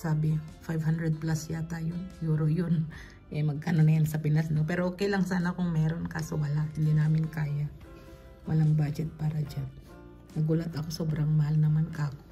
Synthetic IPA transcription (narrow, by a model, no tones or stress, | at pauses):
saːbɪfajvhand̪ɾɛd̪̚plasjat̪aːjojuːɾojon | ʔɛmɐɡ̚kanonɐjansɐpɪnasnopɛːɾoʔoːkɛjlɐŋsaːnɐkʊŋmɛːɾo̞nkaːsowɐlahɪnd̪iːnaːmɪnkaːja | wɐlaŋbaːd͡ʒɛt̪̚paːɾɐd͡ʒan | nɐɡulɐt̪ʔɐko̞soːbɾaŋmɐhalnɐmankako